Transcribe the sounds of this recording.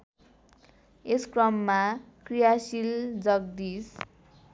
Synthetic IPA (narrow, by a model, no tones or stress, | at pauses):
eskrʌmːakrijasild͡zʌɡ̚d̪is